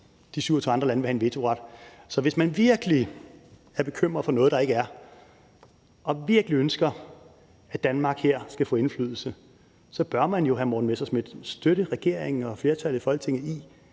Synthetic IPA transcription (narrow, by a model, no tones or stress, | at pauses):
d̥isyʊ̰ɐt͡sʰo̰ɑ̈ndʁɐlænəʋehæe̝nʋe̝t͡sʰo̝ʁɑ̈d̥sɒ̽ʋe̝smænʋiɐɡ̥əli | æɐb̥e̝kʰøm̰ʁɐðˠfɒnɔ̽ːð̩ˠd̥ɑ̈e̝ɡ̥əæɐ | ʔɒ̽ʋiɐɡ̥əliønsɡ̥ɐ | æd̥ænmɑ̈ːɡ̥heɐ̰sɡ̥æfɔ̰̽ːe̝nfly̰ːð̞ˠl̩sə | sɒ̽b̥ɶɐmænjo̝ɦæmoːnmesɐsme̝d̥sd̥øɾ̥əʁɛɡ̥e̝ɐ̰eŋn̩ɒ̽fle̝ɐt͡sʰælð̩ˠfɒ̽l̰ɡ̥t͡sʰe̝ŋ̰ð̩ˠi